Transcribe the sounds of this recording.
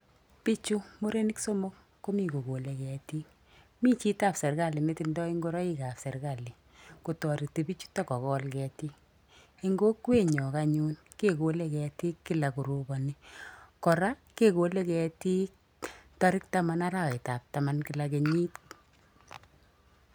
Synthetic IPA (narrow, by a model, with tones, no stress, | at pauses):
pi˦t͡ʃu˦mo˦ɾe˦nɪ˦kso˦mo˦k | ko˦mi˦˨ko˨ko˨le˨kɛ˨ti˦k | mi˦t͡ʃi˦ta˦˨psɛ˨rka˦˨li˨ne˦ti˦ndɔ˦i˦ŋɡo˦ɾɔ˦i˦ka˨pse˨rɾka˦˨li˨ | ko˨tɔ˨ɾi˨ti˨pi˦t͡ʃu̥˦ta˦kɔ˨kɔ˦lkɛ˨ti˦k̚ | i˦ŋɡo˦kwe˦ɲɔ˨ka˦ɲu˦n | ke˦ko˨le˦kɛ˨ti˦kːi˦la˨ku˨ɾu˨bɔ˨ni˦kɔ˨ɾa˦ke˦ko˨le˦kɛ˨ti˦k̚ | tɔ˦ɾɪ˦k̚ta˦ma˦na˦ɾa˨we˨ta˨p̚ta˨ma˦nkɪ˨la˨k̬e˨ɲi˦t